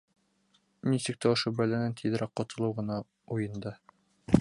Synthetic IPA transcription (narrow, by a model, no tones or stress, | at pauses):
nisɘk̚t̪æŏʃobælænænt̪ʰiðɘ̆ɾæqqːɒt̪ɤ̆lˠɤwʁɤ̆nɑ | ujɤ̆nd̪ɤ